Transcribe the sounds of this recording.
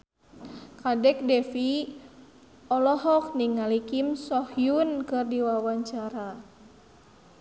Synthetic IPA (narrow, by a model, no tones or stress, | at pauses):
kadɛk̚dɛfi | ɔlɔɦɔk̚niŋalikimsɔhjunkɨrdiwawaɲt͡ʃaɾa